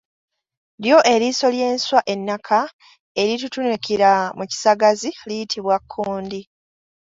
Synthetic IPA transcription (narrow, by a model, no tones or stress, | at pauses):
ljo̞ʔe̞ɾiso̞lje̞ːnswaʔe̞nːakʰa | e̞ɾitutunekiɾamuci̥saɡazilijitʰiβwakʰːuːndi